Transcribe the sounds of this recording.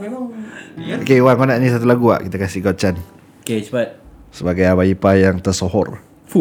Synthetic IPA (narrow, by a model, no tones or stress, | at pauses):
okewaŋkonaʔnĩs̬at̪ulaɡua̰ʔkit̪akasihɡɔt͡ʃan | ket͡ʃpat̚səbaɡajabaipajaŋt̪ərsohɔ̰r